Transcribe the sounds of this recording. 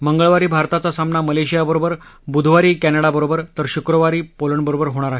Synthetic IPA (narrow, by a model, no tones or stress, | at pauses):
məŋɡəɭʋaɾiːbʱaɾt̪at͡sasamnaməleɕijabəɾobəɾ | bud̪ʱʋaɾiːkænəɽabəɾobəɾt̪əɾɕukɾəʋaɾiːpoləɳbəɾobəɾɦoɽ̃aɾaɦe